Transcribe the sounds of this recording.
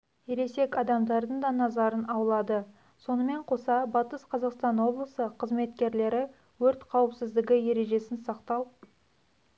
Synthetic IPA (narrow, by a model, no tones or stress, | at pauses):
jeɾe̞se̞kɑd̪ɑmd̪ɑɾd̪əɴd̪ɑnɑzɑɾənɑwəlˠɑd̪ə | so̞nəme̞ɴqʰo̞sɑbɑt̪əsqʰɑzɑqst̪ɑnwo̞blˠəsəqʰəzme̞t̪kʲe̞ɾle̞ɾɪ | wɵɾt̪qʰɑwəpsɪzd̪ɪɡʲɪje̞ɾe̞ʒe̞sɪnsɑqt̪ɑlˠ